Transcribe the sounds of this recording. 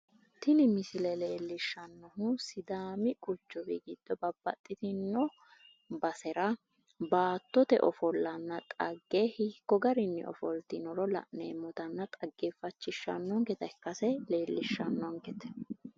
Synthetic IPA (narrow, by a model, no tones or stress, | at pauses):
t̪ɪnɪmɪsɪlɛle̞ːlːɪʃːɐnːɔɦʊsɪd̪aːmɪkʼʊt͡ʃːɔbiɡɪd̪̥ːɔbɐbːɐt̪ʼːɪt̪ɪnːɔ | bɐsɛɾɐ | baːt̪ːɔt̪ɛ̰ʔɔfɔlːɐnːɐt̪ʼɐɡːehɪkːɔɡɐɾɪnːɛ̰ɔ̰fɔlt̪ɪnɔɾɔlɐ̰ʔneːmɔt̪ɐnːɐt̪ʼɐɡːefɐt͡ʃːɪʃːɐ̰nːɔŋkɛt̪ɐkːɐsɛle̞ːlːɪʃːɐnːɔŋkɛt̪ɛ̥